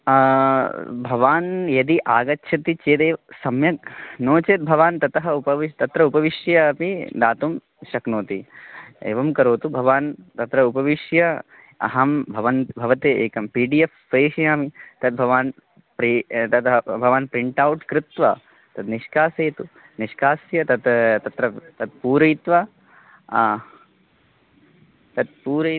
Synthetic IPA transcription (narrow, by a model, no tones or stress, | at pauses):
bʱɐʋaːnjɐd̪iʔaːɡɐtːʃʰɐt̪it͡ʃeːd̪eːʋsɐmjɐk̚noːt͡ʃeːt̪̚bʱɐʋaːnt̪ɐt̪ɐɦɐupɐʋit̪ɐt̪ɾɐupɐʋiʃjɐpid̪aːt̪um | ʃɐknoːt̪iḛːʋɐmkɐɾoːt̪ubʱɐʋaːnt̪ɐt̪ɾɐupɐʋiʃjɐ | ɐ̰ɦɐmbʱɐʋɐnt̪bʱɐʋɐt̪eːʔeːkɐmpiːɖijefpeːʃjaːmit̪ɐt̪̚bʱɐʋaːn | pɾit̪ɐt̪bʱɐʋaːnpɾiɳʈaːwʈkɾɪt̪ʋɐ̰ | t̪ɐd̪niʃkaːseːt̪u | niʃkaːsjɐt̪ɐt̪t̪ɐt̪ɾɐt̪ɐt̪̚puːɾɐjt̪ʋɐ | t̪ɐt̪̚puːɾɐ